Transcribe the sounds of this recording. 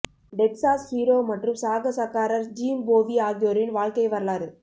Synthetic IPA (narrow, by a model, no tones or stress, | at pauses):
ɖɛksaːshiːɾoːmɐʈrɯmsaːɣɐsɐkːaːɾɐɾd͡ʒiːmboːʋiaːɣɪjoːɾɪnʋaːɻkɐɪʋɐɾɐlaːɾɯ